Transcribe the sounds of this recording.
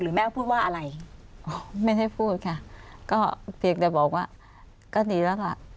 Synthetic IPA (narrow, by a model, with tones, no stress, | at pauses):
lɯː˨˩˦mɛː˧˥˩wpʰuː˥˩t̚waː˥˩˨a˧ɾa˧jʔoː˧˩ma˥˩jɦa˥˩jpʰuː˥˩t̚kʰa˥˩kɔː˥˩pʰi˧əŋt͡ɕɛ˨˩bɔː˨˩k̚waː˧˥˩ | kɔː˥˩diː˨˩lɛː˦˥˩wla̰˨˧˩ʔ